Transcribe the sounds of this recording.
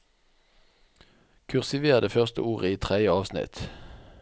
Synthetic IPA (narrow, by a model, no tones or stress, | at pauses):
kʰʉʁsɪʋeːʁd̪əfœʁst̪ə̰uːʁəiːt̪ʰʁɛd̪jəɑːʋsnɪ̰t̪